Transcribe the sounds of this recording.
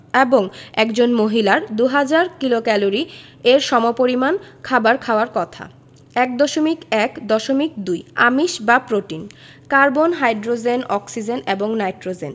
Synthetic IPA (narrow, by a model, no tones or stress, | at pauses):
eboŋɛkd͡ʑonmoɦilaɾd̪uɦad͡ʑaɾkilokɛloɾieɾʃɔmopoɾimankʰabaɾkʰaoaɾkɔt̪ʰa̰ | ɛk̚d̪ɔʃomikɛkd̪ɔʃomik̚d̪uja̰miʃbapɾoʈin | kaɾbonɦajɖɾod͡ʑenɔksid͡ʑeneboŋnajʈɾod͡ʑḛn